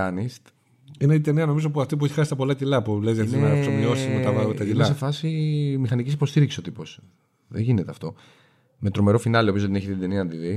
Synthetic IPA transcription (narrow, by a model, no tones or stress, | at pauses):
ɐnist̪ | ineit̪e̞niɐno̞mizopuɐft̪ipueçi̥xɐsi̥t̪ɐpolɐt̪ilɐpulezʝɐt̪iinɐɾɐpsomio̞sit̪imut̪ɐmɐðɐmet̪ɐt̪ilɐsefɐsimixɐnicisipo̞st̪iɾiksisot̪ipo̞s | ðeʝinet̪eɐft̪o̞ | me̞t̪ɾo̞me̞ɾo̞finɐliopiozðneçit̪it̪d̪e̞niɐnd̪iði